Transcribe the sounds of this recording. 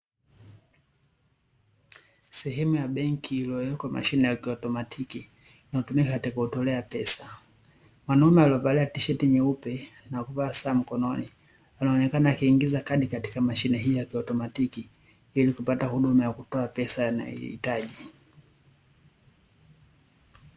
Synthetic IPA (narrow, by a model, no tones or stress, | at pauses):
sɛɦɛmujaɓɛŋkiːlɔjɔkwamʔa̰ʃinɛjakiɔtɔmatʰiki | inautumikakatikuutɔlɛapɛsḁ | mwanaumɛaliɔpalɛatiʃɛtiɲɛupɛnakupaːsaːm̩kɔnɔni | wanaɔːnɛkanaːkiːŋɡizakaɗikati̥kamaʃinɛɦijɔjakiɔtɔmatiki | ilikupatahuɗumajakutɔapɛsana̰ḭḭtaʄi